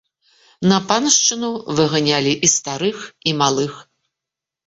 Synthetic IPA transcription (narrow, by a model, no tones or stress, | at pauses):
nɐpanʂt͡ʂɨnuvɨɣanʲalʲiʔist̪aɾɨximalˠɨx